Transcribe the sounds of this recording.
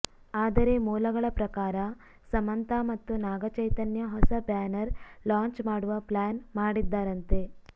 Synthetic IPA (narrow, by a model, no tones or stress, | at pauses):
aːd̪ɐɾe̞muːlɐɡɐɭɐpɾɐkaːɾɐ | sɐmɐnt̪aːmɐt̪ːunaːɡɐt͡ʃɐjt̪ɐnjɐɦɔsɐbaːnɐɾlaːɲt͡ʃmaːɽuʋɐplaːnmaːɽid̪ːaːɾɐnt̪e̞